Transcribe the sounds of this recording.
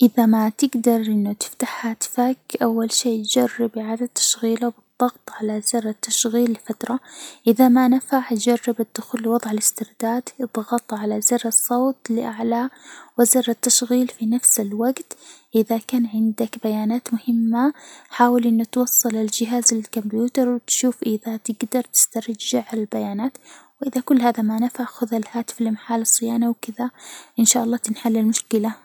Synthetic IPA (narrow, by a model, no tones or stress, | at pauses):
ʔɪðamat̪ɪɡd̪ɑɾˤʔɪnːʊt̪ɪ̥ft̪aħhaːt̪fakʔawːalʃeːtd͡ʒɑrːɪbʕalat̪ːḁʃɣiːlabɨd̪ˤːɑɣt̪ˤʕalazɑɾˤat̪ːaʃɣiːlːɪfat̪ɾˤɑʔɪðamanafaʕt̪d͡ʒɑrˤːɪbɪd̪ːʊxuːlːwɑðˤʕalɪst̪ɪɾd̪aːd̪ɨd̪ˤɣɑt̪ˤʕalazɪɾɑsˤːoːt̪lɪʔaʕlawɪzɑɾˤat̪ːaʃɣiːlfinafsɪlwaɡt̪ʔɪðakaːnʕɪnd̪akbajaːnaːt̪mʊhɪmːaħaːwalʔɪnːʊt̪wɑsˤːɑlɪld͡ʒɪɦaːzlɪlkʊmbjuːt̪ɑɾˤwɪt̪ʃuːfʔɪðat̪ɪɡd̪ɑɾˤt̪ɪ̥st̪ɑɾˤd͡ʒɪʕalalbajaːnaːt̪wʔɪðakʊlːhaːðamanafaʕxʊðalhaːt̪ɪ̥fɪlmaħaːlɑsˤːɨjaːnawkɪðaʔɪnʃaːʔɑlˤːɑːt̪ɪnħalːɪlmʊʃkɪla